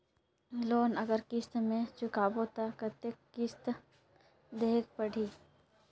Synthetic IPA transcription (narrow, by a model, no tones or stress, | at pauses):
loːnɐɡəɾkɪst̪mẽt͡ʃʊkaːbot̪akət̪ekɪst̪ | d̪eːk̚pəɽ̤iː